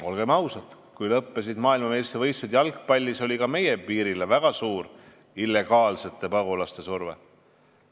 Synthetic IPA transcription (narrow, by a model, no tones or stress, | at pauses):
o̞lɡ̥e̞mɑwsɑt̪ | kujlɤpːe̞sid̪mɑːilmɑmest̪evɤjsud̪jɑlkpɑlʲːiso̞lʲikɑme̞jepiːɾilevæɡ̥ɑsuːr | ilːe̞ɡ̥ɑːlse̞t̪ːˑe̞pɑɡulɑst̪e̞survḛ